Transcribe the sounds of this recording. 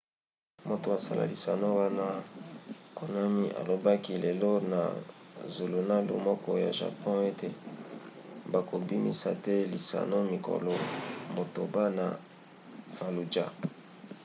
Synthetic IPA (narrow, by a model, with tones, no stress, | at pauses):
mo˨to˨a˨sa̰˦lʔa̰˨li˨sa˨no˦wa˦na˦ | kʰo˨na˦mi˦ʔa̰˨lo˨ba˦ki˦le˨lo˦na̰˨zo˨lo˨na˦lṵ˦mɔ˦kɔ˦ja̰˨ʒa̰˨pɔ̃˦e˦te˨ | ba˨ko˨bi˦mḭ˦sa˨tɛ˦li˨sa̰˨no˦mi˨ko̰˨lɔ˨mo˨to˨ba˦na˨ | v̥a˨lu˨d͡ʒa˦